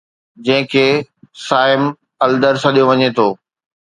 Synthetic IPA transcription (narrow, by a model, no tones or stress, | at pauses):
d͡ʑɐ̃ɦɪ̃kʰeːsaːɪm | ɐld̪əɾsɐɗijoʋɐɲet̪ʰoː